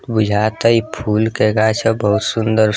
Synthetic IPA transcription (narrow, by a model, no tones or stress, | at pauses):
bud͡ʒʱat̪əipʰulkeɡat͡ʃʰəbəɦut̪sund̪əɾ